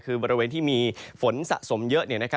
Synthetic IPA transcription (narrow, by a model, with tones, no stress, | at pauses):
kʰɯː˧bɔː˧ɾi˧weː˧nt̪ʰiː˥˩miː˧fo˩˦nsa̰˨˩ʔso˩˦mjɤ˦˥ʔni˥˩na˦˥kʰa˦˥